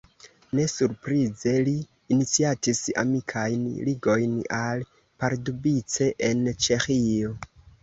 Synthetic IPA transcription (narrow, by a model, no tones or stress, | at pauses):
ne̞suɾpɾize̞liː | nit͡siatisa̰mikʰajnliɡo̞jnal | paɾdubit͡se̞ʔent͡ʃe̞xio̞